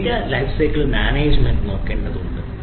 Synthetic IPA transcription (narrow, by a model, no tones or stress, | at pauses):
kʲːɐlɐjfsɐjkːɐɭmaːneːd͡ʑmenɖɨno̞ːkːeːɳɖɐðɨoɳɖɨ